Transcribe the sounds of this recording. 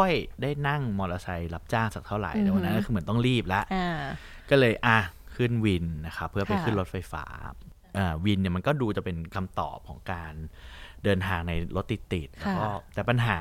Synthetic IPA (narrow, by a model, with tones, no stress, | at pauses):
ɔ˥˩jdaː˥˩jna˥˩ŋmɔː˧lʔa˧sa˧jla˦˥p̚t͡ɕaː˥˩ŋt͡ɕaː˨˩k̚t̪ʰa˥˩wɾa̰˨˩˦jt̪ɛː˨˧˩wa˧nːa˦˥nkːʰɯː˧m˩˦ə˦nt̪ɔ˥˩ŋɾiː˥˩p̚la˦˥ʔ | kɔː˥˩lɤː˧jʔa˧˩kʰɯ˥˩nwi˧nna˦˥xʰa˦˥pʰːɯ˥˩ɐpa˧jkʰɯ˥˩nlo˦˥t̪̚fa˧jfa̰ː˦˥ | ʔaː˨˩wi˧nːi˨˩ɐma˧nkɔː˥˩duː˧t͡ɕa˨˩pe˧nkʰa˧mt̪ɔ̰ː˨˩p̚kʰɔ̰ː˩˦ŋkaː˧ndɤː˧nt̪ʰaː˧ŋna˧jlʔo˦t̪ːi˨˩t̪ːi˨˩t̪̚lɛː˦˥wkɔː˥˩t̪ɛː˨˩pa˧nɦaː˩˦